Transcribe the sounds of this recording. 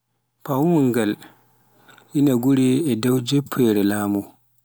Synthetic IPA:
pawuŋɡal | ʔinaɡuɾɛɛdawd͡ʒepʰːɛɾɛlaːmu

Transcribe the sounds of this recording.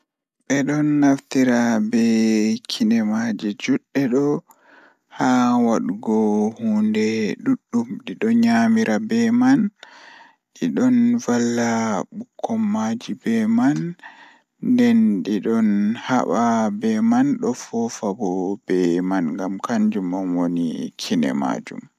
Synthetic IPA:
ɓɛɗɔnːaftiɾabɛkʰinɛmad͡ʒid͡ʒuɗːɛɗɔ | hawaɗɡɔhundɛɗuɗːumɗiɗɔɲamiɾʔabɛman | ɗiɗɔnvalːaɓukʰːɔmːad͡ʒibɛman | dɛnɗiɗɔnha̰ɓabɛmanɗɔfɔfabɔb̥ɛmanŋɡamkaɲd͡ʒumɔnwonikʰinɛ̰ma̰d͡ʒṵm

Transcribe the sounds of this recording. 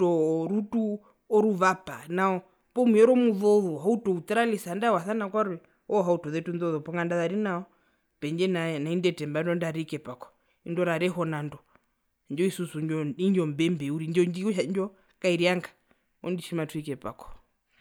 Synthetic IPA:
ɔɾutu | ɔɾuβapanaɔ | pɔmujɛɾɔmuðɔðɔɦautɔut̪ɛɾalisandawaθanakwaɾwɛ | ɔɦautɔðɛtunðɔðɔpɔŋɡandaðaɾinaɔ | pɛɲd͡ʒɛnanaindɛtɛmbaindɔndaɾikɛpakɔ̥ | indɔɾaɾɛɦɔnandɔ | ɲd͡ʒɔisusuɲd͡ʒɔiɲd͡ʒɔmbɛmbɛuɾiɲd͡ʒɔɲd͡ʒiʃaɲd͡ʒɔ | kaiɾiaŋɡḁ | ɔ̰ndiʃimatuikɛpa̰kɔ̥

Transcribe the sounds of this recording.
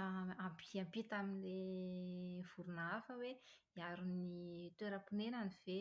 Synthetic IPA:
ampiampit̪aminle | v̥uɾunafəwe | iaɾunit̪weɾəpunenaniv̥e

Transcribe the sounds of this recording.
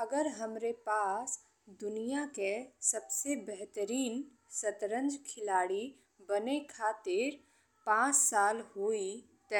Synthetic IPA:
ɐɡəɾɦɐmɾepaːs | d̪ʊnijakesɐbsebɛɦt̪əɾiːn | sɐt̪ɾə̃nd͡ʒkʰɪlaːɽi | bɐnekʰaːt̪ɪɾ | pãːt͡ʃsaːlhoːi | t̪ɐ

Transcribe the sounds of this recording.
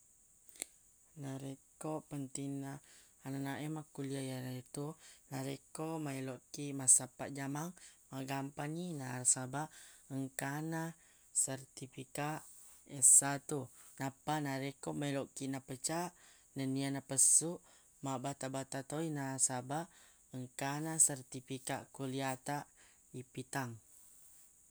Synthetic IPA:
naɾekoʔpənt̪inaː | nanaʔɛmakuliajanaet̪unaɾekomailoʔkiʔmasapaʔd͡ʒamaŋmaɡampaninasabaʔəŋkana | sərt̪ifikaʔ | esat̪unapanaɾekomajloʔkiʔnapət͡ʃaʔ | nənianapəsuʔ | mabat̪abat̪at̪oinasabaʔ | əŋkanasərt̪ifikaʔkuliat̪aʔ | ipit̪aŋ

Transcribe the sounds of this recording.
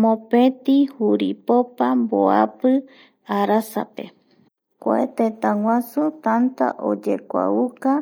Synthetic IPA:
mõpẽt̪ihuɾipopamboa̰pɨ | aɾasa̰pe̞̰ | kʷa̰et̪et̪ãŋʷãsut̪ant̪a̰ʔo̰d͡ʒekʷa̰uka

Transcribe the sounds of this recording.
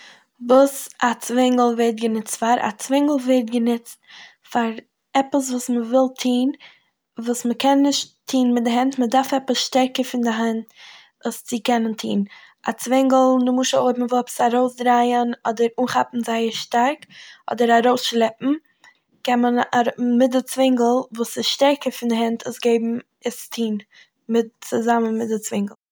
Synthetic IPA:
vuːsat͡svɪŋɡəl̩ˠvetɡənɪt͡stfaɾa̰t͡svɪŋɡl̩ˠvɛɾt̚ɡənɪt͡st | faɾ | ɛpəs̬vuːsməvɪlˠtʰiːn | vuːsməkɛnːɪʃttʰiːnmɪt̚dɪɦɛntmədaɾfɛpəsʃtɛɾkəɾfɪndɪɦɛnt | ust͡sɪkɛnəntʰḭːn | a̰t͡svɪŋɡl̩ˠnʊmuːʃəoɪbmvʊlˠɛpə̥saɾoʊsdɾaɪənɔdəɾuːnχapn̩zaɪəɾʃtaɾkɔ̰dəɾaɾoʊsʃlˠɛpm̩ | kɛnmənaɾmɪdət͡svɪŋɡl̩ˠvuːsɪsʃtɛɾkəɾfɪndɪɦɛntʰəsɡeɪbm̩ | ɪstʰiːn | mɪt̚t͡sʊzamənmɪt̚dɪt͡svɪŋɡl̩ˠ

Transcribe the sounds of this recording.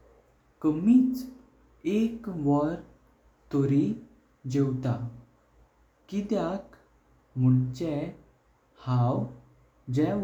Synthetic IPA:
kəmiːt͡s | ekʋəɾ | t̪oɾi | d͡ʑewt̪a | kid̪jak | m̤uɳt͡ɕɛ | hãw | d͡ʑɛ

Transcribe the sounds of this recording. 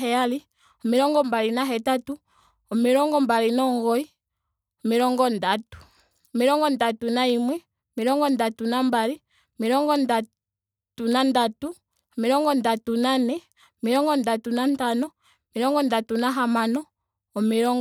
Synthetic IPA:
ɦɛali | ɔmiɾɔŋɡɔmbalinaɦɛtatu | ɔmiɾɔŋɡɔmbalinɔŋɡɔi | ɔmiɾɔŋɡɔndatu̥ | ɔmiɾɔŋɡɔndatunaimwɛ | ɔmiɾɔŋɡɔndatunambali | ɔmiɾɔŋɡɔnda | tunandatu | ɔmiɾɔŋɡɔndatunanɛ | ɔmiɾɔŋɡɔndatunantanɔ | miɾɔŋɡɔndatunaɦamanɔː | miɾɔŋ

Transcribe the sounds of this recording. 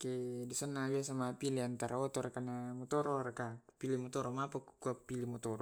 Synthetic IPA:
kedisanːabias̬amapiliant̪aɾaot̪oɾakanamɔt̪ɔɾoɾakapilimɔt̪ɔɾomapakukuapilimɔt̪ɔɾo

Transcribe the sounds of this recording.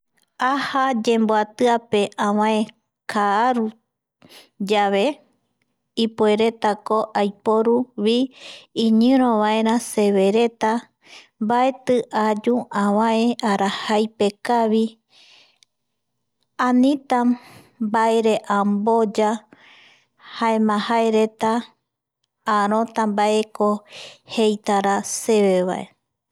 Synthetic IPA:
ahad͡ʒe̞mboat̪ɨape̞ʔãwãẽ | kʰaːɾu | d͡ʒaβe̞ | ipue̞ɾe̞t̪ako̞ʔajpoɾuβiĩɲɨ̃ɾ̃õβaẽ̞ɾ̃ãse̞βe̞ɾe̞t̪a | mbae̞t̪ɨʔad͡ʒuãβãẽʔaɾahajpe̞kaβi | ãnĩt̪a | baeɾe̞ʔambo̞d͡ʒa | haemãhaeɾe̞t̪a | ɾõ̞t̪ambaʔe̞kohe̞jt̪aɾase̞βeβa̰ʔḛ

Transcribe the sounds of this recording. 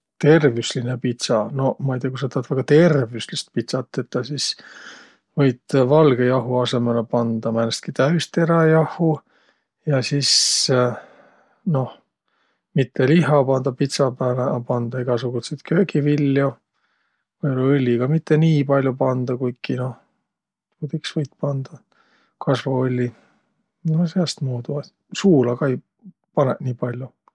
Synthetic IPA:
t̪e̞rvysline̞pit̪sɑno̞mɑɑjt̪eɑkusɑt̪ɑt̪væɡ̥ɑt̪e̞rvyslist̪̚pit̪sɑt̪ˑːe̞t̪ːɑsis | vɤjd̪vɑlɡ̥e̞jɑɦuɑse̞melepɑnd̪ɑmænest̪kit̪æyst̪e̞ɾɑjɑhu | jɑsis | no̞h | mit̪ʰːeliɦɑpɑnd̪̥ɑpit̪sɑbælepɑnd̪̥ɑiɡ̥ɑsuɡ̥uset̪kʰøːkivilʲːjo | vɤjoleɯlʲːiɡ̥ɑmit̪ːe̞niːpɑlʲjupɑnd̪ɑkujkino̞h̪ | kut̪iksvɤjt̪̚pɑnd̪̥ɑ | kʰɑsvɑolʲːi | noseɑst̪muːd̪uɑ | suːlɑɡ̥ɑej | pɑneʔniːpɑlʲju

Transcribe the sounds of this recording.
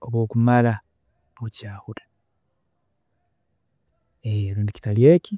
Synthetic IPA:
oβwo̞ːkumaɾa | βucaːhuɾa | eeɾuːndici̥taljeːki

